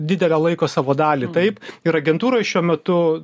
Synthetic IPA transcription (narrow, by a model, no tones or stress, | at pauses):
d̪ʲɪd̪ʲɛlʲɛːlˠɐɪkoːsɑːʋoːd̪ɑːlʲit̪ɐɪpɪɾɐɡʲɛnt̪uːɾoɪʃʲuɔmʲɛt̪ʊ